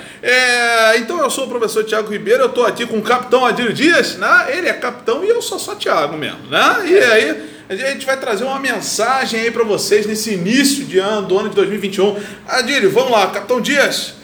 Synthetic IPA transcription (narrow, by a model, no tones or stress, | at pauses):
ɛẽnt̪ɐ̃w̃ewsoʊp̬ɾofesoɾt͡ʃiaɡʊhibejɾʊewt̪oakikõʊkapi̥t̪ɐ̃w̃ad͡ʒilʊd͡ʒiɐʃnɛelɪɛkapi̥t̪ɐ̃w̃ɪewsosot͡ʃiaɡʊmḛzmʊnɛɪai | aʒaʒẽnt͡ʃɪvajt̪ɾazeɾũmɐmẽsaʒẽj̃aipɾɐvoseznesɪinisjʊd͡ʒɪɐ̃nʊd̪ʊɐ̃nʊd͡ʒɪd̪ojzmiwivĩnt͡ʃɪũ | ad͡ʒilʊvɐ̃mʊlakap̚t̪ɐ̃w̃d͡ʒiɐs